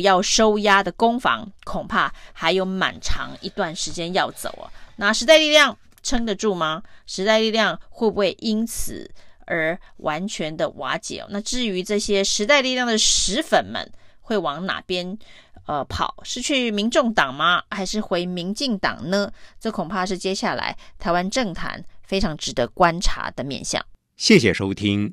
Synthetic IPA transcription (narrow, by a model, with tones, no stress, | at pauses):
jɑ˥˩ʊʂo˥ʊja˥d̪ə˨kʊ˥ŋfɑ̰˧˥ŋkʰʊ˨˩ŋpʰa˥˩xa˧˥ɪjo˧˥ʊma̰˨˩nʈ͡ʂʰɑ̰˧˥ŋi˧˥t̪wa˥˩nʂɻ̩˧˥t͡ɕjɛ˥njɑ˥˩ʊt͡so̰˨˩ʊə̰˦na˥˩ʂɻ̩˧˥t̪a˥˧ɪli˥˧ljɑ˥˩ŋ | ʈ͡ʂʰɤ˥ŋd̪ə˨ʈ͡ʂu˥˩mɐ˨ʂɻ̩˧˥t̪a˥˧ɪli˥˧ljɑ˥˧ŋxwe˥˧bu˧˥xwe˥˩ɪʔi˥nt͡sʰɹ̩̰˨˩˦ə˞˧˥wʔa˧˦˥nt͡ɕʰɥɛ˧˥nd̪ə˧wa̰˧˥t͡ɕjɛ̰˨˩ɔ̰˦na˥˧ʈ͡ʂɻ̩˥˩y˧˥ʈ͡ʂɤ˥˩ɕjɛ˥ʂɻ̩˧˥t̪a˥˧ɪli˥˧ljɑ˥˩ŋd̪ə˩ʂɻ̩˧˥fə˨˩nmə̰˧˦nxwe˥˩ɪwɑ˧˥ŋna̰˨˩pjɛ˥n | ə˧pʰɑ̰˨˩˦ʊʂɻ̩˥˧t͡ɕʰy˥˩mi˧˥ŋʈ͡ʂʊ˥˩ŋt̪ɑ˨˩ŋmɐ˦xa˧˥ɪʂɻ̩˥˩xwe˧˥ɪmi˧˥ŋt͡ɕi˥˩ŋt̪ɑ̰˨˩ŋnə˦ʈ͡ʂɤ˥˩kʰʊ˨˩pʰa˥˧ʂɻ̩˥˩t͡ɕjɛ˥ɕja˥˩la̰˧˥ɪt̪ʰa˧˥ɪwa˦nʈ͡ʂɤ˥˩ŋt̪ʰa̰˧˥nfe˥ɪʈ͡ʂʰɑ˧˥ŋʈ͡ʂɻ̩˨˩d̪ə˧˦kwa˥nʈ͡ʂʰa̰˧˥d̪ə˧˨mjɛ̰˥˧nɕjɑ̰˥˩ŋ | ɕjɛ˥˩ɕ̬jɛ˨˩ʂo˥ʊt̪ʰi˥ŋ